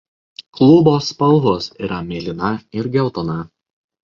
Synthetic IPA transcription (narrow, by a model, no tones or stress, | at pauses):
klˠʊboːspɐlˠɦosiːɾɐmʲeːlʲɪnɐɪɾɡʲɛʊt̪onɐ